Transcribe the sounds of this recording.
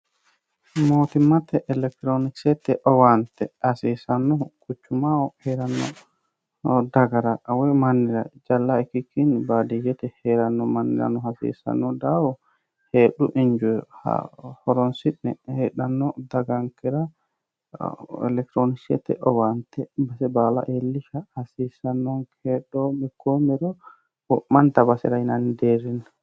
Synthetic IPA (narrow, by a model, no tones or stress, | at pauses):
mot̪imatːɛʔɛlɛk̚t̪ɾoniksɛt̪ɛʔɔwant̪ɛhasisanːɔkʰut͡ʃːumawɔhɛɾanːɔ̰ | daɡaɾaʔawɛmanːiɾa̰d͡ʒalːaɛkːikːinibadid͡ʒɛt̪ɛhɛɾanːɔmanːḭɾa̰nɔhasḭsa̰nːɔdawɔ | hɛɗuʔiɲd͡ʒuɛha̰hɔɾɔnsiɗːɛ̰hɛɗanːɔdaɡaŋkɛɾa̰ | ɛ̰lɛk̚t̪ɾonisɛ̰t̪ɛ̰ʔɔwant̪ɛbasɛbala̰ʔelːiʃahasisanːɔnkʰɛɗɔmikomɛɾɔ | ɔmantabasɛ̰ɾainandeɾin